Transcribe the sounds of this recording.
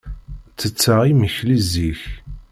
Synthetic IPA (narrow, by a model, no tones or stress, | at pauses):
t͡sːət͡sːaʁiməçliziç